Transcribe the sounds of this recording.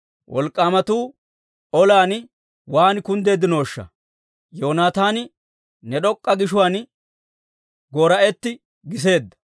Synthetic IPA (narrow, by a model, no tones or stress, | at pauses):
wʔɔ̰lkʼːaːmɐt̪uː | ɔlaːn | waːnkʊnd̪e̞ːd̪ːɪnoːʃːɐ̰ | jo̞ːnaːt̪aːn | nɛɗɔkʼːɐɡɪʃʊwaːn | ɡoːɾɐɛt̪ːɪ | ɡɪs̬e̞ːd̪ːɐ̥